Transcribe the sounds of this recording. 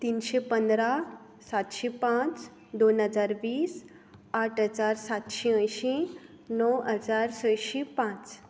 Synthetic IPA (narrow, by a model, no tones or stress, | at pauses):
t̪iːnɕepənd̪ɾa | sat̪ɕipãt͡s | d̪onɦəd͡zaɾʋiːs | aʈʰɦəd͡zaɾsat̪ɕiə̃jɕi | nɔwɦəd͡zaɾsəjɕipãt͡s